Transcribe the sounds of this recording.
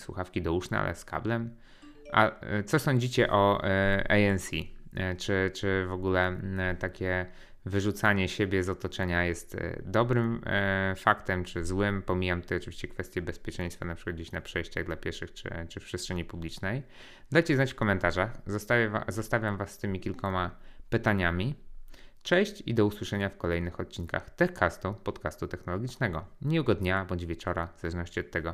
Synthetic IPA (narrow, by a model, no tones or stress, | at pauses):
swṵxafkʲid̪ɔuʂnɛ̰a̰lʔɛ̰ska̰blɛm | ʔa̰t̪sɔsɔɲd͡ʑit͡ɕɛʔɔɛjɛnsʲit͡ʂɘt͡ʂɘvɔɡulɛt̪akʲɛ | vɘʐut̪saɲɛɕebʲjɛzɔt̪ɔt͡ʂɛɲajɛst̪d̪ɔbɾɘmfakt̪ɛmt͡ʂɘzwɘmpɔmʲijamt̪ɛɔt͡ʂɨvʲi̥ɕt͡ɕɛkfɛst̪ʲjɛbɛspʲjɛt͡ʂɛ̃ɲ̃st̪fanapʂɨ̥kad̪̚d͡ʑeɕnapʂɛjɕt͡ɕa̰ɣd̪lapʲjɛɾʂɘxt͡ʂɘ̰t͡ʂɘfpʂɛstʂɛɲipublʲit͡ʂnɛj | d̪ajt͡ɕɛznat͡ɕfkɔmɛnt̪aʐaxzt̪aazɔst̪avʲjamvasːt̪ɘmʲikʲilkɔmapɘt̪aɲamʲi | pt͡ʂɛɕt͡ɕḭd̪ɔuswɘʂɛɲafkɔlɛjnɘxɔt̪̚t͡ɕiŋka̰xt̪ɛkʰast̪upɔt̪kast̪ut̪ɛxnɔlɔɡʲit͡ʂnɛɡɔɲiuɡɔd̪ɲabɔɲd͡ʑvʲjɛt͡ʂɔɾavz̥alɛʐnɔɕt͡ɕiɔt̪ːɛɡɔ